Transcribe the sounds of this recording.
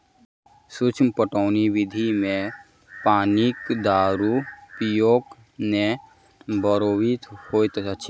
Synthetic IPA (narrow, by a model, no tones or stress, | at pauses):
sut͡ʃʰmpəʈɔːniʋɪd̪ʱimẽ | paːnikd̪aːɾupijoːk | ne | bəɾoːwit̪hoːjt̪ət͡ʃʰi